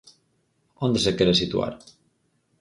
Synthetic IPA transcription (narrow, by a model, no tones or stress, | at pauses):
ond̪esekeɾesit̪ṵa̰ɾ